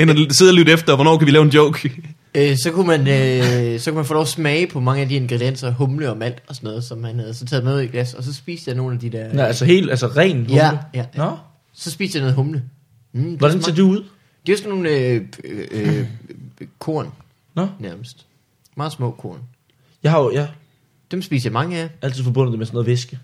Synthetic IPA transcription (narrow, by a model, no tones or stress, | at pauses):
enɐseð̰ˠɐlyd̥efd̥ɐʋɒnɒ̰ːkʰæʋilɛːʊe̝ndjoʊ̰ɡ̥ | øsɒ̽kumænøsɒ̽kumænfɔ̽ːlɒʊsmɛɪpʰɒ̽mɑ̈ŋəæd̥ie̝nɡ̥ʁɛd̥ien̰sɐɦɔmləɒ̽mæl̰d̥ɒ̽sɒnɔ̽ːð̞̩ˠsɒ̽mhænhæð̞̩ˠsɒ̽t͡sʰɛːð̩ˠmænuð̰ˠiɡ̥læsɒ̽s̬ɒ̽sb̥ḭːsd̥jɑ̈no̝ːn̩æd̥id̥ɛɐ̰ælsɐɦe̝̰ːlælsəʁɛ̰ːnhæəjæj | sɒ̽sb̥iːsd̥jano̽ð̩ˠɦɔ̽mlə̥ | ɒdænseɐd̥uuð̰ˠ | d̥e̝æsɒnːo̝ːnø | kʰo̝̰ɐ̰n | nːæɐməsd̥ | mɑ̈ːsmɔ̰̽ːkʰo̝ɐ̰n | jɑ̈ɪhɑ̈ojæ | d̥emsb̥ḭːsjɑ̈mɑ̈ŋəæʔæl̰t͡sʰiðˠfɒ̽b̥ɔ̽n̰̩ˠdemesɔnoːð̩ˠʋesɡ̥ə